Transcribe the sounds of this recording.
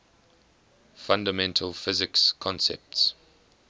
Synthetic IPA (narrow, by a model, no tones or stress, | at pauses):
fãndəmɛ̃ntʰəlˠfɪzɪkskʰɔ̃nsɛ̰p̚ts